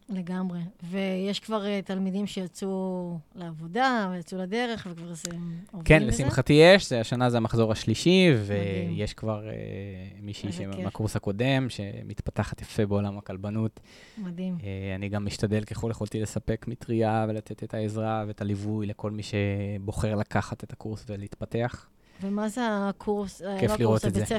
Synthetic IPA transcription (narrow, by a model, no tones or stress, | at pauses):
leɡamʁevejeʃkvaʁet̪almidimʃejat͡suleavo̞d̪avejat͡sulad̪e̞ʁe̞χvekvaʁzemovkenlesimχat̪ijeʃzeaʃanazeamaχzo̞ʁaʃliʃivejeʃkvaʁḛmiʃiʃemakuʁshako̞de̞mʃe̞mit̪pataχat̪jafe̞be̞o̞lamakalbanut̪ | mad̪imeaniɡamːiʃtad̪elkeχo̞ljeχo̞lt̪ile̞sape̞kmit̪ʁiave̞lat̪ʰe̞t̪etʰaezʁaveet̪alivujleko̞lmiʃe̞bo̞χe̞ʁlakaχat̪et̪ḁkuʁsveleit̪pat̪e̞aχ | vemazeakʰuʁskefliʁoteze